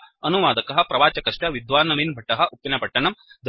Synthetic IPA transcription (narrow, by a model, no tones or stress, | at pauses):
ɐnuʋaːd̪ɐkɐɦɐ̆pɾɐʋaːt͡ʃɐkɐʂʈɐʋid̪ʋaːnɐminbʱɐʈːɐɦɐ̆ʔupːinɐpɐʈːɐɳɐmd̪